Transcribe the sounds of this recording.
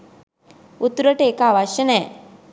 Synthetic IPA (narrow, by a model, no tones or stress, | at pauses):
ut̪ːuɾəʈəeːkaʋaʃjənɛː